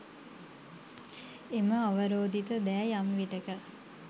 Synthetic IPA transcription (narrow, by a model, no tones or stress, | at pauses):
eməaʋəɾoːd̪it̪əd̪æjamʋiʈəkə